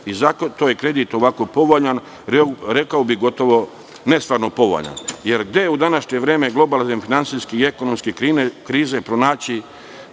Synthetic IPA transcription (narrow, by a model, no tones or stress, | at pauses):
izakt̪oːjekɾe̞d̪it̪o̞ʋako̞po̞ʋoʎan | ɾɾe̞kaobiɣɡo̞t̪o̞ʋo̞ | ne̞st̪ʋaːɾnopo̞ʋo̰ʎa̰nje̞ɾɡd̪ejeud̪anaʃɲe̞ʋɾeːme̞ɡlˠo̞balzenfinant̪siskiieko̞nomskekɾiːnekɾiːzepɾonaːt͡ɕi